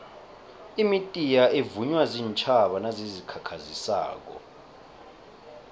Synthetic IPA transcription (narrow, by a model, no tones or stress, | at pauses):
imitʼijaevuɲwaziːnt͡ʃʰʼaɓanazizikʰakʰazisa̰ːk̬ɔ̰